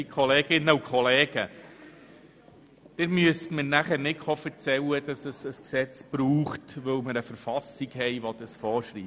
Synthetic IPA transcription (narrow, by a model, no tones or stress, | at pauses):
ikʰɔleːɡ̥ɪnːəukʰχɔleːɡ̥ə | d̪̥ɪɾmyəstmənæχəɾnɪkχɔfəɾt͡sɛwəd̪̥ɑsəsəsksɛt͡sb̥ɾuːχtʋɵwmɪɾəfəɾfɑsiɡɦɛjʋɔd̪̥əsfɔːɾʃɾiː